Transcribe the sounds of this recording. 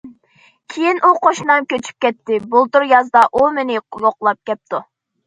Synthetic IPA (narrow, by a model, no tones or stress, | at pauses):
kʲʰejinʔuqʰoʃnɑmkʲøt͡ʃʰy̥p̚kʲɛt̪ːɪbulˠt̪uɾjɑzd̪ɑʔumɪnɪjoqlˠɑp̚kʲɛp̚t̪ʰu